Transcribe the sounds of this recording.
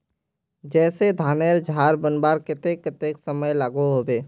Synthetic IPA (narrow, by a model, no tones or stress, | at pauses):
d͡ʒɛːsed̪ʱaːneːɾd͡ʒʱaːɾbənbaːɾkɪt̪ekːɪt̪eksəməjlaːɡoɦobeː